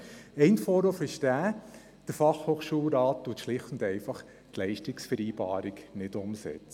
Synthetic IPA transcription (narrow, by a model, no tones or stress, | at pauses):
ɛɪnfɔːɾofɪʃd̥æː | d̥əɾfɑχhoːχʃuːlɾɑːttuətʃlɪχtn̩dɛɪfɑχ | tlɛɪʃtɪksfəɾiːb̥ɑ̰ːɾɪknɪdʊmsɛ̰t͡sə